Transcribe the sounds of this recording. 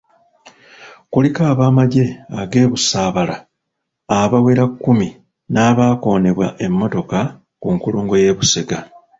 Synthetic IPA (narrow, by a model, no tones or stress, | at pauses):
kulikaːβaːmaɟe̞aɡe̞ːβusaːβala | aβawe̞ɾakːumi | naːβaːko̞ːne̞βwa̰ʔe̞mːo̞to̞ka | kuŋkuluːŋɡo̞je̞ːβuse̞ɡa